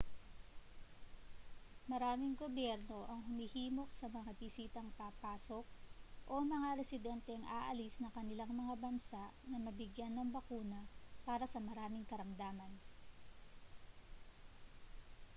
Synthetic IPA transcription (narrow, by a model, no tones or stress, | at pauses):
mɐɾaːmɪŋɡobjɛɾno̞ʔɐŋɦʊmihiːmo̞k̚sɐmɐŋabɪsiːt̪ɐŋpapaːso̞k̚ʔo̞mɐŋaɾɛsɪd̪ɛnt̪ɛŋʔaːʔɐlisnɐŋkɐnɪlaŋmɐŋabɐnsaʔnɐmɐbɪɡjanːɐŋbɐkuːnɐpaːɾɐsɐmɐɾaːmɪŋkɐɾɐmd̪aːmɐn